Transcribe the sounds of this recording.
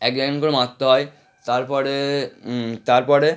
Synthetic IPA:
ɛkd͡ʑaɡnkoɾomãt̪ːoɦɔe | t̪aɾpɔɾe | t̪aɾpɔɾe

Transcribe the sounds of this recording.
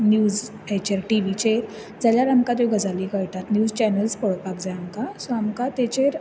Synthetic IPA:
njuːd͡z | et͡ɕeɾʈiʋit͡ɕeɾ | d͡zaljaɾamkat̪õɡʱəd͡zaliːkəjʈ̪at̪njuːd͡zt͡ɕɛnəlspɔɭpakd͡zaamkasɔamkat̪et͡ɕeɾ

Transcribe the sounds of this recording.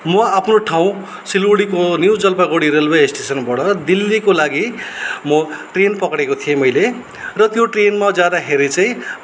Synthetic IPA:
mʌapʰnoʈʰaw̃ | siluɽikonjuwd͡zʌlbaɡoɽiɾelbeesʈesʌnbʌɽʌd̪ilːikolaɡimʌʈrenpʌkɽekot̪ʰijemʌjle | rʌt̪joʈrenmad͡zjad̪aɦeɾet͡saĩ

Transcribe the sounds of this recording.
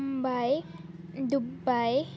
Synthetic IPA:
mbaj | d̪ubaj

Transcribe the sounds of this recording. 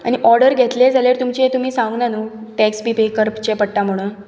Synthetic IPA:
a̰ñiʔɔɾɖəɾɡʱet̪led͡zʱaleɾt̪umt͡ɕiet̪um̤iːsãŋɡnanuːʈɛksbipekəɾpt͡ɕepəɽʈ̪am̤əɽ̃uːn

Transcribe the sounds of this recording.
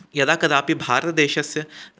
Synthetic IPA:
jɐd̪aːkɐd̪aːpibʱaːɾt̪d̪eːʃɐsə

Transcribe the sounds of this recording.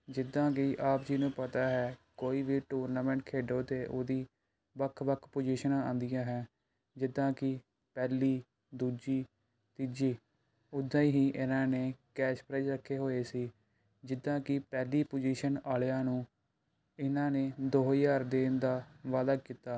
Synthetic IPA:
d͡ʒɪd̪ãːkɪʔaːpd͡ʒinũːpət̪aːɦɛːkoːiːʋiːʈuːɾnaːmɛ̃ːɳʈkʰeːɖõːt̪eːʔoːd̪iː | bəkʰːʋəkʰpoːd͡ʒiːʃənãːãːnd̪ɪjãːɦɛː | d͡ʒɪd̪ãːkɪ | pɛːliː | d̪uːd͡ʒiː | t̪ɪd͡ʒiː | ʊd̪ãːiːɦiːʔɪnãːneːkɛːʃpɾɛd͡ʒɾəkʰːeːɦoːeːsiː | d͡ʒɪd̪ãːkɪpɛːliːpod͡ʒiːʃənaːleãːnũː | ɪnãːneːd̪oːɦijaːɾd̪eːnd̪aːʋaːd̪aːkiːt̪aː

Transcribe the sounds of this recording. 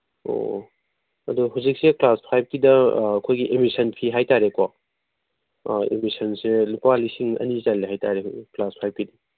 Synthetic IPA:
o̰ | ɐ̰duɦawzik̚seklaspʰajb̚kidɐːkʰojɡiʔemisɐnpʰiɦajtaɾeka | ḛmisɐnselupalisiŋɐ̰nizalːiɦhajtaɾeklaspʰajb̚kidi

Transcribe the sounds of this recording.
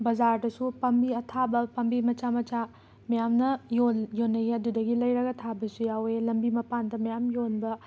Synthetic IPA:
bɐzaɾdɐsupɐmbiɐtʰabɐpɐmbimɐt͡ʃamɐt͡ʃa | mɐjamnɐjonjonːɐɐdudɐɡilɐjɾɐɡɐtʰabɐsujawelɐmbimɐpandɐmɐjamjonbɐ

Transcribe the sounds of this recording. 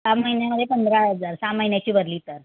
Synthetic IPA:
saməɦinjaməd̪ʱːjepənd̪ɾaəd͡zaɾsaməɦinjat͡ɕiːbəd̪liːt̪əɾ

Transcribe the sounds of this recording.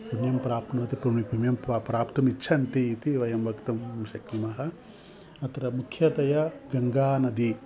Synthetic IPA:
punjɐmpɾaːpnɐʋɐt̪ipɾumipunjɐmpːpɾaːpt̪ɐmit͡ʃːt͡ʃʰɐnt̪iːt̪iʋɐjɐmbʱɐkt̪ɐmʃɐkɾimɐɦɐ | ɐt̪ɐɾɐmukʰjɐt̪ɐjɐɡɐŋɡaːnɐd̪i

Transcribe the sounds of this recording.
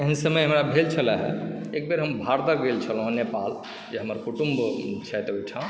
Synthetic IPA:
eɦənsəməjɦəmɾabʱelt͡ʃʰələɦɛ̰ek̚beɾɦəmbʱaɾt̪əɡelt͡ʃʰəlɦõnepal | d͡ʒeɦəməɾkuʈumbt͡ʃʰɛt̪ojʈʰã

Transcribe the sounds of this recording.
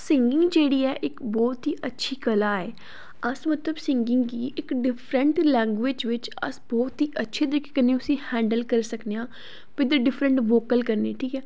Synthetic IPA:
sɪŋɡɪ̃ŋɡd͡ʒeːɽiːɛːʔɪkbɔːt̪ɦiːʔətːʃʰiːkəlaːɛː | əsmət̪ləbsɪŋɡɪ̃ŋɡkiːʔɪkɖɪpʰɾəɳʈlɛ̃ːŋɡʋɪːd͡ʒʋɪt͡ʃə̰sbɔːt̪ɦiːʔətːʃʰeːd̪əɾɪkːkənːẽʊsĩːhɛ̃ːɳɖəlkəɾsəkneːãː | pɪd̪əɖɪpʰɾəɳʈʋoːkəlkəɾneːʈʰiːkɛː

